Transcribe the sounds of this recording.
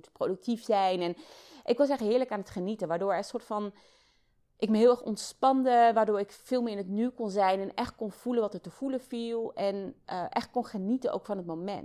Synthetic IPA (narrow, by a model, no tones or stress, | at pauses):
tprowdək̚tifsɛjnɛn | ʔɪkʋɑs̬ɛχɦɪːɹləkaːnɦətχənitənʋaːɹdoːɹɛəsʊːɹtfɑn | ʔɪkməɦɪːlˠɛχɔ̰ntspɑndəʋaːɹdoːɹɪkfɪːlˠmɪːɪnətnykɔnzɛjnɛnɛχt̚konv̥ulənʋɑtətəv̥uləvilˠɛnʔəʔɛ̰χt̚kɔnχənitəno̰wkfɑnɦətmomɛ̰n